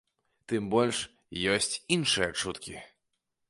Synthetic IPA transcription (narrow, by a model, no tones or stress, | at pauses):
t̪ɨmbɔlʲʂ | jɔsʲt͡sʲinʂɨjɐt͡ʂut̪kʲi